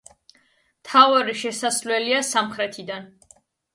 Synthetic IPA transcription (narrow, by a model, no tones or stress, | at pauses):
t̪ʰavaɾiʃɛsaslɛliasamχɾɛt̪ʰid̪an